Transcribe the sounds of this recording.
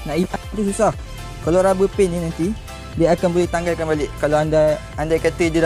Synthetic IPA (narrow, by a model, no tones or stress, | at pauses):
naʔilaɾususah | kalawɾabəpɪnːĩnant̪i | diaakanbolɛht̪aŋɡalkanbalɪʔkalawanda | andakat̪ədəda